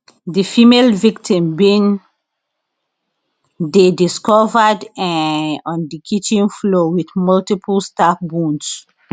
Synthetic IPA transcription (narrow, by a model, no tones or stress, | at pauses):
difimelviktʰĩmbĩn | dediskɔvədɛɔ̃ndikʰit͡ʃĩnflowiθmɔltipʰəlstafbũns